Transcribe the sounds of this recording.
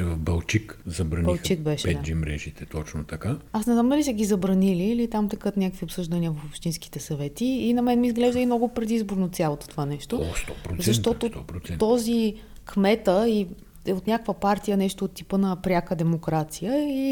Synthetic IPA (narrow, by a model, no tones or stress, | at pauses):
ɛvɐvbɐlˠt͡ʃikzɐbɾɐnbilˠxt͡ʃik̚bɛʃɛɛad͡ʒimɾɛʒit̪ɛt̪ɔt͡ʃnot̪ɐkaasnɛznamd̪ɐlisɛɡizɐbɾɐniliːlit̪amt̪ɛkɤt̪nʲakəkviopsɤʒd̪ɐniəvɐfopʃt̪inski̥t̪ɛsɐvɛt̪iːnɐmɛnmiːzɡlɛʒd̪əimnɔɡʊpɾɛd̪izboɾnot̪sʲjalˠot̪o̥t̪ovanɛʃt̪ost̪ɔpɾzsɐʃt̪ɔt̪ot̪ɔpɾoɛt̪ɔzi | kmɛt̪əi | ɛot̪nʲakəkvəpaɾt̪ijənɛʃt̪oːt̪ːipənɐpɾʲakəd̪ɛmokɾat̪sijəi